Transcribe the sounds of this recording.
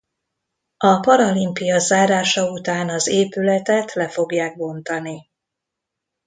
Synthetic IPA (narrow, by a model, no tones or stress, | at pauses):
ɒpɒɾɒlimpijɒzaːɾaːʃɒut̪aːnɒzeːpylɛt̪ɛt̪lɛfo̞ɡjaːɡ̚bo̞nt̪ɒni